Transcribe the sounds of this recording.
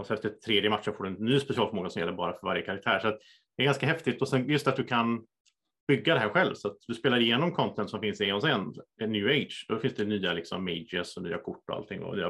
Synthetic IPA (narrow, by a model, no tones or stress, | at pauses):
ɔsɛnɛft̪ət̪ʰːɾeːd̪jəmat̪ʂɔfoːɖɵnnːyːspɛsɪɑːlfœɾmoːɡasɔmjɛlːəɾbɑːɾafœɾvaɾjəkʰaɾak̚t̪ʰæ̰ːɾʂat̪ | d̪ɛæɾɡanskaɦɛft̪ɪt̪ːɔsɛnjɵst̪at̪̚d̪ɵkʰan | b̥ʏɡːad̪ɛɦæːɾɧɛlvsɔat̪̚d̪ɵspeːlaɾɪjeːnɔmkʰɔnt̪ʰɛnt̪sɔmfɪnsɪjeːnɔms̬ɛnnjʉːɛɪdʂd̪ɔfɪnsd̪ɛnyːalɪksɔ̰mːɛɪd͡ʒəsɔny̰ːa̰kʰʊʈːɔa̰lt̪ʰɪŋːɔ̰ny̰ːa